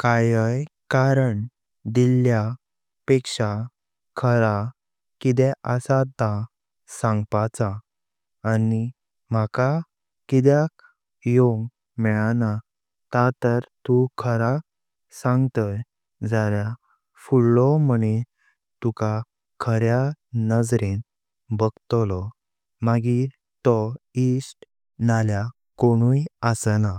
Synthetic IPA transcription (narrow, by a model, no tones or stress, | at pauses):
kajəjkaɾəɳ | d̪ilːja | pekʂa | kʰəɾa | kit̪̬ɛʔəsat̪a | sãŋɡpat͡saː | ni | maka | kid̪jak | joɡ | mɛɭana | t̪at̪əɾt̪ukʰəɾa | sãŋɡt̪əj | d͡zalja | fuɽlɔməne | t̪uka | kʰəɾja | nəd͡zɾen | bəɡt̪lɔ | maɡi | t̪ɔisʈ | nalja | koɽ̃ujəsəna